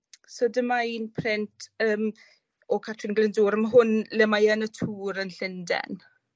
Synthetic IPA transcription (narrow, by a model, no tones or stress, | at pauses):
sodəmainpʰrɪntʰəːm | ɔkʰatʰrɪnɡlɪnduːɾəmaɦʊnlɛmajənətʰuːɾənɬɪndɛ̰n